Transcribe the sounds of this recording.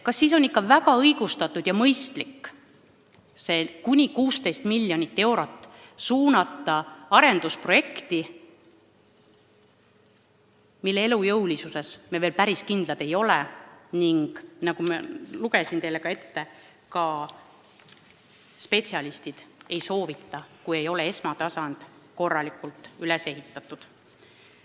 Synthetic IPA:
kɑsːiːso̞nikˑːɑvæɡɑɤjɡ̥ust̪ɑt̪ːˑud̪̥jɑmɤjst̪likːˑ | se̞kunʲikuːst̪e̞jst̪milʲːjo̞nʲit̪ːe̞wɾo̞t̪ˑːsuːnɑt̪ːˑɑɑɾe̞nd̪̥uspro̞je̞kt̪i | milːeelujɤwlisuse̞smeveːlpæɾiskind̪lɑd̪̥e̞jo̞leniŋɡ̥nɑɡumɑ̰luɡe̞sint̪e̞jlːe̞kɑe̞t̪ːe̞ | kɑ | spe̞tsiɑlist̪id̪̥e̞jso̞ːvit̪ːˑɑkuje̞jo̞le̞e̞smɑt̪ɑsɑnd̪̥ | ko̞rːɑlikˑult̪ːˑylese̞ɦit̪ˑːɑt̪ːˑud̪̥

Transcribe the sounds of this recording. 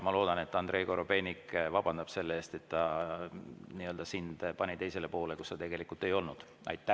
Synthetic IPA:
mɑlo̞ːd̪̥ɑne̞t̪ːˑɑnd̪ɾe̞ːko̞ɾobe̞ːnʲikvɑb̥ɑnd̪̥ɑb̥se̞lːeeːst̪e̞t̪ːɑ | niːøld̪ɑsind̪̥pɑnʲit̪e̞jse̞le̞po̞ːle̞kust̪ɑt̪e̞ɡ̥e̞likːˑult̪ːˑe̞jo̞lnud̪̥ | ɑ̰jt̪ːˑæ

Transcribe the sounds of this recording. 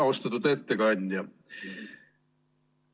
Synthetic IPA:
o̞st̪ɑt̪ːud̪e̞t̪ːekɑnʲd̪jɑ

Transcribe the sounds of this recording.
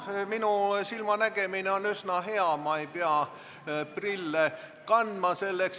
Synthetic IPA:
minusilmɑnæɡ̥emineonysnɑɦeɑmɑipeɑ | prilːe | kɑnd̪̥mɑselːeks

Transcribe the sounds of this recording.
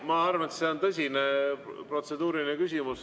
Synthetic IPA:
mɑɑrvɑet̪seo̞nt̪ɤsʲinepro̞t̪se̞d̪̥uːɾinekys̬ʲimus

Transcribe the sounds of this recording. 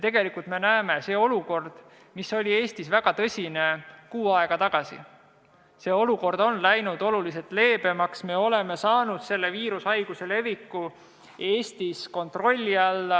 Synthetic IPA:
t̪e̞ɡ̥elikult̪me̞næeme̞se̞ːo̞luko̞rd̪̥ | misːo̞lʲie̞ːst̪isvæɡ̥ɑt̪ɤsʲine̞kuːɑe̞ɡ̥ɑt̪ɑɡ̥ɑsḭ | se̞ːo̞luko̞rd̪̥o̞nlæjnud̪̥o̞lulis̬et̪ˑle̞ːb̥e̞mɑksme̞o̞le̞me̞sɑːnud̪̥se̞lːe̞viːɾusɑjɡ̥use̞le̞vikːˑu | e̞ːst̪isko̞nt̪ro̞lʲːiɑlːɑ

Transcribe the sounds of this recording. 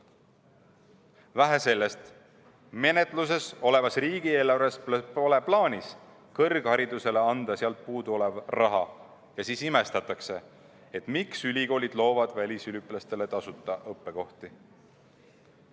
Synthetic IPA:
væɦese̞lːe̞st̪ | me̞net̪ˑlus̬e̞so̞le̞vɑsriːɡ̥ie̞lːɑɾesplpole̞plɑːnʲis | kɤrɡ̥hɑɾid̪use̞le̞ɑnd̪̥ɑsiɑlt̪̚puːd̪uo̞le̞vrɑɦɑ | jɑsiːsime̞st̪ɑt̪ːˑɑkse̞ | et̪ˑmiksylʲiɡo̞ːlʲid̪̥lo̞ːvɑd̪̥vælʲisylʲyplɑst̪e̞le̞t̪ɑsut̪ˑːɑʔɤpːe̞ko̞ht̪i

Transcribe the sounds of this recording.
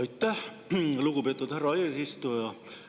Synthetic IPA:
ɑjt̪ːæh | luɡ̥ubet̪ːˑud̪̥hæɾɑeːsist̪ujɑ

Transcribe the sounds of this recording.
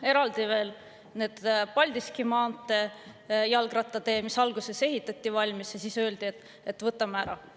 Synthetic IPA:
e̞ɾɑld̪̥ive̞ːl | ne̞ːd̪̥pɑlʲd̪iskimɑːnt̪ˑːe̞jɑlɡ̥rɑt̪ːˑɑt̪e̞ːmisɑlɡuse̞se̞ɦit̪ːˑɑt̪ʲˑːivɑlʲmisjɑsisø̞ːld̪̥iet̪ː | e̞t̪ːvɤt̪ːˑɑmeæɾɑ̰

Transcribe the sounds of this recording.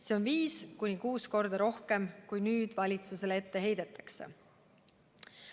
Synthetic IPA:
seonviːskunʲikuːsko̞rd̪̥ɑɾo̞hke̞mkujnyːd̪̥vɑlʲit̪suse̞le̞t̪ːe̞ɦe̞jd̪̥et̪ːˑɑ̥kse̞̰

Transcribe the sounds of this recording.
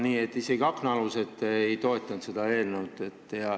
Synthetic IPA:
niːet̪ːisekɑksnɑluset̪ːejt̪oet̪ːˑɑnt̪sed̪ɑeːlnewt̪ːˑet̪ːjɑ

